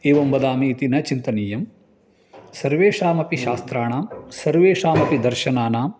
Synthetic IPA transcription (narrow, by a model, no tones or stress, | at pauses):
eːʋɐmbɐd̪aːmiːt̪inɐt͡ʃint̪ɐniːjɐm | sɐɾʋeːʂaːmɐpiʃaːst̪ɾaːɳaːmsɐɾʋeːʂaːmɐpid̪ɐɾʃɐnaːnaːm